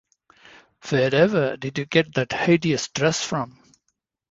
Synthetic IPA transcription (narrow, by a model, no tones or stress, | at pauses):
fɛɾɛvə˞dɪdjɨɡɛt̪̚ðɨtheɪdiɨstɹɛsfɹʌ̃m